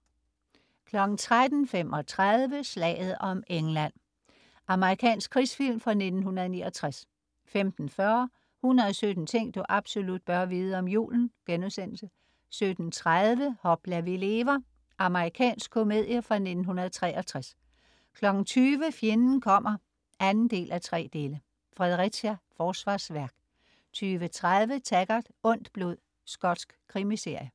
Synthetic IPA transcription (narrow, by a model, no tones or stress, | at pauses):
kʰlɒ̽ɡ̥n̩t͡sʰʁad̥n̩femɒ̽t͡sʰʁaðˠʋəslɛ̰ːɪð̞̩ˠɒ̽meŋlæn̰ | ʔɑ̈məʁikʰɛ̰ːnsɡ̥̚kʰʁisfil̰mfʁɑ̈ne̝d̥n̩hunɐðˠnḭːɒt͡sʰʁas | femd̥n̩fɶɐ | hunɐðˠɒsød̥n̩t͡sʰeŋ̰d̥uʔɑ̈b̥so̝lud̥̚b̥ɶɐʋiːð̞̩ˠəɒ̽mjṵːln̩ɡ̥enuðˠsen̰l̩sə | sød̥n̩t͡sʰʁaðˠʋəhɒ̽b̥læɐʋile̝ːʋɐ | ʔɑ̈məʁikʰɛ̰ːnsɡ̥̚kʰo̝me̝ð̞̰ˠjəfʁɑ̈ne̝d̥n̩hunɐð̞̩ˠt͡sʰʁɛ̰ːʔɐt͡sʰʁas | kʰlɒ̽ɡ̥n̩t͡sʰyːʋəfje̝nn̩kʰɒ̽m̰ʔɐ | ʔænn̩d̥e̝̰ːlʔæt͡sʰʁɛ̰ːd̥e̝ːlə | fʁɛð̞ˠʁisæfɒːsʋɑ̈ːsʋæɐɡ̥ | t͡sʰyːʋət͡sʰʁaðˠʋət͡sʰæɡ̥ɑd̥ɔ̽n̰d̥b̥lo̝ð̰ˠ | sɡ̥ɒd̥sɡ̥kʰʁimise̝ɐ̰jə